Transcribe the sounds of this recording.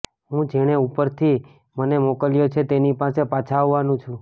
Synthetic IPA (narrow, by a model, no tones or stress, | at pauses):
ɦũd͡ʒeɽ̃eupəɾt̪ʰi | mənemokəljot͡ʃʰet̪enipasepat͡ʃʰaʋːanũt͡ʃʰũ